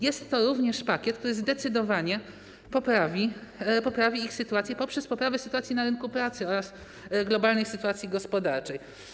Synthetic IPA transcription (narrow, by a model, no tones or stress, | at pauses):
jɛst̪ːɔɾuvɲɛʂpakʲɛt̪̚kt̪uɾɘzd̪ɛt̪sɘd̪ɔvaɲɛ | pɔpɾavʲipɔpɾavʲiixsɘt̪uat̪sʲjɛpɔpʂɛspɔpɾavɛsɘt̪uwat̪sʲjinaɾɘnkupɾat̪sɘɔɾas | ɡlɔbalnɘjsɘt̪uwat̪sʲjiɡɔspɔd̪aɾt͡ʂɛj